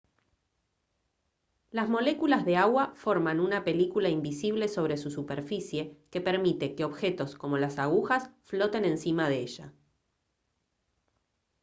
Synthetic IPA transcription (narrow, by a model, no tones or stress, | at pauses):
lazmo̞le̞kulazðe̞aɣwafo̞ɾmanunape̞likulaimbisiβ̞le̞so̞β̞ɾe̞susupeɾfisje̞ke̞pe̞ɾmit̪e̞keo̞βxe̞t̪o̞sko̞mo̞lasaɣ̞uxasflo̞t̪e̞nẽ̞nsimað̞eeʒ̥a̰